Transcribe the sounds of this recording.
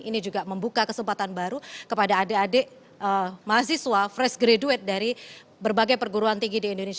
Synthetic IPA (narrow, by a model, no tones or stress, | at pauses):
inid͡ʒuɡaməmbukakəsəmpat̪anbaɾukəpadaːdeadeʔ | əmaas̬iswafɾɛsɡɾeduɛt̪̚daɾi | bərbaɡajpərɡuɾuant̪iŋɡidiːndones